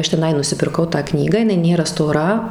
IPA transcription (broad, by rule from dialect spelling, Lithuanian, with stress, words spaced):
ˈɐʃ tʲɛˈnɐɪ nʊsʲɪpʲɪrˈkɐʊ tɑː ˈknʲiːɡɑː jɪˈnɐɪ ˈnʲeːrɐ stoːˈrɐ